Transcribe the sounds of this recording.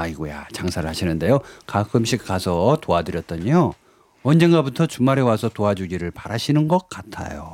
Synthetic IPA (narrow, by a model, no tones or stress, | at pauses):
aiɡoja̰t͡ɕaŋsʰaɾɯɭhaɕʰinɯnde̞jokakʰɯmɕʰik̚k͈asʰʌtoadɯɾjʌt̚t͈ʌɲo | ʌnd͡ʑe̞nɡabutʰʌt͡ɕumaɾe̞wasʰʌtoad͡ʑuɡiɾɯɭpaɾaɕʰinɯnɡʌk̚k͈atʰa̰jo̰